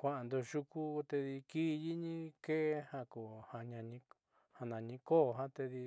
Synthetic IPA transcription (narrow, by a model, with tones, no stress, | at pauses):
kʷa˧˨ʔa˨nd̪o˧ʃu˧ku˦˧t̪e˧ði˧ki˦˧ji˦ɲĩ˦ke˦hã˧ko˨hã˧ɲã˧ɲĩ˧ | ha˧nã˨ɲĩ˧ko˦˨ɦã˦t̪e˧ði˧